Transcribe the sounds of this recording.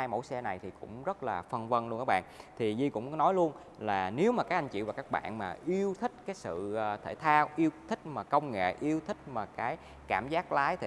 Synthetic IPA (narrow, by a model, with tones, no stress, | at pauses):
aː˧jmo̰˧˥jsɛ˧na˨˩jt̪ʰi˨˩kʊ̰˧˥ŋ͡mzə˦˥t̚laː˨˩fə˧nvə˧nlkaː˦˥ɓa̰ː˧˨nt̪ʰi˨˩zi˧kʊ̰˧˥ŋ͡mnɔ˨˦jlu˧ən | laː˨˩ne˨˦wmaː˨˩kaː˦˥k̚ʔa˧ŋ̟t͡ɕḭ˧˨wvaː˨˩kaː˦˥k̚ɓa̰ː˧˨nmaː˨˩ʔi˧əwt̪ʰï˦˥k̟̚kaː˨˦jsɨ̰˧˨˩t̪ʰe˧˩t̪ʰaː˧wʔi˧əwt̪ʰï˦˥k̟̚maː˨˩kə˧wŋ͡mŋḛ˧˨ʔi˧əwt̪ʰï˦˥k̟̚maː˨˩kaː˨˦j | kaː˧˩mzaː˦˥k̚laː˨˦jt̪ʰ